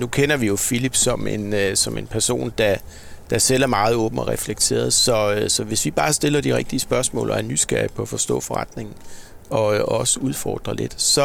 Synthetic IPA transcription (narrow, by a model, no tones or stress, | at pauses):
nukʰen̰ɐʋijo̝filib̥sɒ̽me̝nsɒ̽me̝npʰæɐso̝̰ːnd̥ɑ | d̥ɑ̈sel̰æɐmɑ̈ːð̩ˠɔ̽ːb̥n̩ɒ̽ʁɛfleɡ̥̚t͡sʰe̝̰ːɐð̞̩ˠsɒ̽øsɒ̽ʋe̝sʋib̥ɑ̈ːsd̥e̝lɐd̥iʁɛɡ̥̚d̥iəsb̥ɶɐsmɔ̰̽ːlʔɒæɐnysɡ̥æɐ̰ipʰɒ̽æfɒ̽sd̥ɔ̰̽ːfɒ̽ʁɑd̥ne̝ŋn̩ | ɒ̽øɒ̽səuð̞ˠfɒ̰ːd̥ʁɐle̝d̥sɒ̽